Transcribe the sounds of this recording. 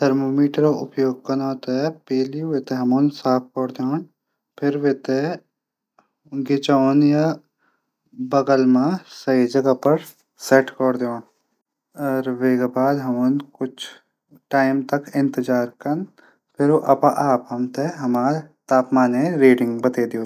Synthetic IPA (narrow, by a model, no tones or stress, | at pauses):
t̪ʰɐɾmoːmiːʈəɾaʊ̰pjoːɡ̚kɐnot̪aɛpeːliʋeːt̪eɦɐmoːnsaːp̚ʰkɔːɽɾd̪eoːn | pʰɪɾʋet̪e | ɡɪt͡ʃaːnja | bɐɡəlmãsəɦid͡ʒɐɡapɐɾ | seʈkɔɾd̪oːn | ɔːɾʋeːɡabaːd̪ɦɐmonkʊt͡ʃʰ | ʈaːɪmt̪ɐkɪ̃nt̪ɪd͡ʒaːɾkɐn | pʰɪɾoʔɐpãʔaːpɦɐmt̪eɦɐmaːɾt̪aːpmaːnẽɾiːɖɪ̃ŋɡbɐt̪eːd̪ioː